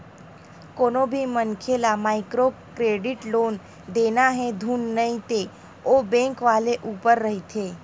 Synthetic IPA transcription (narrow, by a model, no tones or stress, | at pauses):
konobʱimənkʰelamaikɾokɾeɖiʈlon | d̪enaɦed̪ʱunːəit̪e | obɛ̃ŋkʋaleʔupəɾːəɦit̪ʰe